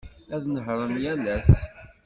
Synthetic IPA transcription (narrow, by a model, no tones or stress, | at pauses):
æðnəɦɾˤəmjælæs